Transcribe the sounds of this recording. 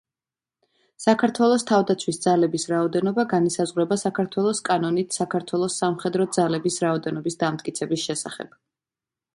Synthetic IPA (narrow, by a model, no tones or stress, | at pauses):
sakʰaɾt̪ʰwɛlˠɔst̪ʰavd̪at̪sʰwisd̪zalɛbisɾaɔd̪ɛnɔbaɡanisazʁwɾɛbasakʰaɾt̪ʰwɛlˠɔskʼanɔnit̪ʰsakʰaɾt̪ʰwɛlˠɔsːamχɛd̪ɾɔd̪zalɛbisɾaɔd̪ɛnɔbisd̪amt̪̚ʼkʼit̪sʰɛbisʃɛsa̰χɛ̰b̥